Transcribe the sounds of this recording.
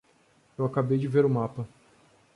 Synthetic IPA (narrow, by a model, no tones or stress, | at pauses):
ewakabejd͡ʒɪveɾʊmapɐ